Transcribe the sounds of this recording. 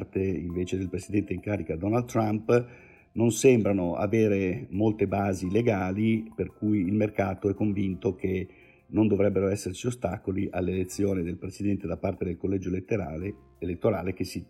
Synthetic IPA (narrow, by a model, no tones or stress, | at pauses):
t̪eiɱveːt͡ʃed̪elpɾesid̪ɛnt̪eiŋkaːɾikad̪ɔnald̪t̪ːɾamp | nonsembɾanoa̰veːɾemolt̪ebaːzileɡaːliperkujːlmerkaːt̪oɛkːoɱvint̪oke | nond̪ovɾɛbːeɾoɛsːert͡ʃiost̪aːkoliʔalːelet̪sːjoːnid̪elpɾesid̪ɛnt̪ed̪apːart̪ed̪elkolːɛd͡ʒoelet̪ːeɾa | elet̪ːoɾaːlekesi